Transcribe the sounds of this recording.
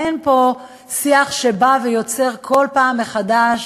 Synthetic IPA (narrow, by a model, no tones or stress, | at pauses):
enpo̞ | siaχʃe̞bave̞jo̞t͡se̞ʁkʰo̞lpaːmːeχadaʃ